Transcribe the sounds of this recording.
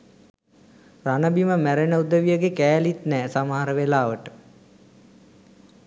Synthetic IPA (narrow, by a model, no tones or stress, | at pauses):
ranəbiməmæɾenəud̪əʋijəɡekæːlit̪nɛːsamaɦaɾəʋelaːʋəʈə